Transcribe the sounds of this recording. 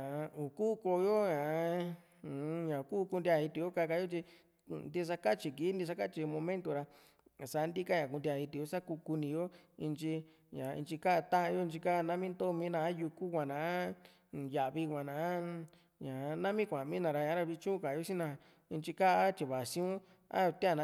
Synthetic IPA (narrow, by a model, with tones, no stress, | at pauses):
ã˨˧u˨kuː˦˧ko˧jo˦ɲã˨˦˨ | ɲã˨kuː˦˧ku˧nd̪ʲa˧˨i˧t̪i˧jo˦ka˧ka˧˦jo˦t͡ʃi˧ | nd̪i˦˧s̬a˧ka˦t͡ʃi˧ki˨˦nd̪i˧s̬a˧ka˦t͡ʃi˧mõ˧mẽ˦nt̪o˧ɾa˧˨ | sa˧˨˦nd̪i˦ka˦ɲã˨ku˧nd̪ja˧˨i˧t̪i˨˧jo˦sa˦ku˧ku˧nĩ˧jo˦i˧nt͡ʃi˧ | ɲã˨ḭ˧nt͡ʃi˧ka˦ʔt̪ã˦ʔã˧jo˦i˧t͡ʃi˧ka˦˧nã˦mĩ˦nd̪o˦˧mĩ˧˦nã˧˦ju˧ku˦kʷã˨nã˨˦˨ | ja˨ʔβi˧kʷã˨nã˨˦ | ɲã˨˧nã˦mĩ˦kʷã˨mĩ˦nã˨˧ɾa˧ɲã˧˦ɾa˧βi˧t͡ʃũ˦˧ka˨jo˦sĩ˦nã˧˨ | i˧nt͡ʃi˧ka˦ʔa˦t͡ʃi˧βa˨sĩ˦ũ˦ | a̰˦˧t̪a˧˨ñ˧